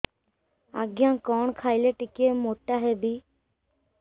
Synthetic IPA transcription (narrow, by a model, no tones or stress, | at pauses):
a̰ːɡɪjãːkɔːɳkʰaːɪleːʈɪkeːmoːʈaːɦeːbʱiː